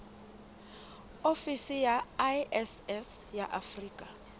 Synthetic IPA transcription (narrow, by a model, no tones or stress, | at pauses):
ofisijaɛsɛs | jaʔafriːkʼa